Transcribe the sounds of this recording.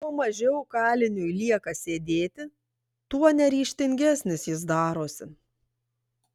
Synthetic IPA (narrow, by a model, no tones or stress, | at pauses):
jɛʊmɐʒʲɛʊkɑːlʲɪnʲujlʲiɛkɐsʲeːd̪ʲeːt̪ʲɪ | t̪uɔnʲɛɾʲiːʃʲt̪ʲɪŋʲɡʲæsʲnʲɪsjɪs̬d̪ɑːɾoːsʲɪ